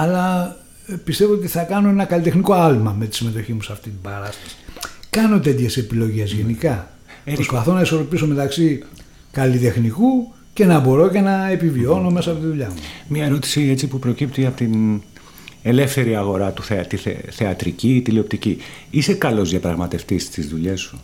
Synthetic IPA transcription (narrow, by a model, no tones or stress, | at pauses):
ɐlɐ | pist̪e̞voot̪iθɐkɐno̞e̞nɐkɐlit̪e̞xniko̞ɐlmɐmet̪i̥sime̞t̪o̞çimusɐft̪it̪ibɐɾɐst̪ɐ̥si̥kɐno̞t̪e̞t̪çe̞se̞pilo̞ʝe̞zʝe̞nikɐ | pɾospɐθo̞nɐisoɾo̞piso̞me̞t̪ɐksi | kɐlit̪e̞xniku | ce̞nɐbo̞ɾo̞ce̞nɐepivio̞no̞me̞sɐɐpot̪iðuʎɐmumɲɐeɾo̞t̪i̥siet͡sipupɾo̞cip̚t̪iɐpot̪in | e̞le̞fθe̞ɾiɐɣo̞ɾɐt̪uθet̪iθḛθeɐt̪ɾicit̪iliop̚t̪ici | isekɐlo̞zðjɐpɾɐɣmɐt̪e̞ft̪ist̪izðuʎe̞su